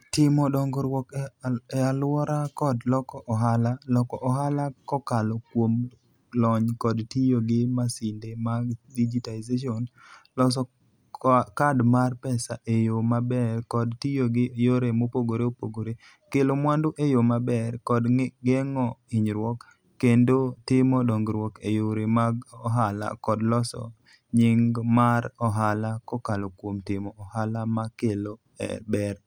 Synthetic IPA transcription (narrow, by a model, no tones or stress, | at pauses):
tɪmɔdɔŋɡɔɾwɔkɛalwɔɾakɔdlɔkɔʔɔɦalalɔkɔʔɔɦalakɔkalɔkwom | lɔɲkɔdtijoɡɪmasɪndemadid͡ʒitaizeʃɔn | lɔs̬ɔ | kadmarpɛsaʔejomabɛrkɔdtijoɡɪjoɾemopoɡoɾeopoɡoɾe | kelomwandoʔejomabɛrkɔdɡɛŋɔɪɲɾwɔkː | endotɪmɔdɔŋɡɾwɔkejoɾemaɡɔɦala̰kɔdlɔsɔ̰ | ɲɪŋɡmaɾɔɦalakɔkalokwomtɪmɔːhalamakelo | ɛ̰bɛr